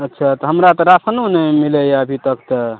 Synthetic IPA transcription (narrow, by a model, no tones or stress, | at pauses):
ətːʃʰat̪ɔɦəmɾat̪ɔɾasənonemiləjəbʱit̪əkt̪ɔ